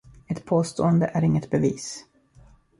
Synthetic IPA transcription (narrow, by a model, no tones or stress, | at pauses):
ɛt̪pʰoːst̪oːənd̪əʔæɾɪŋːət̪bɛviːs